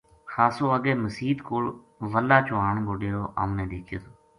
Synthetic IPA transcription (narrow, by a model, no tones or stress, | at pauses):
xaːsoːəɡeːməsiːd̪koːl | ʋəlːaːt͡ʃʊaːɳɡoɖeːɾoːʔə̰mnẽːd̪eːkʰjoːt̪ʰoː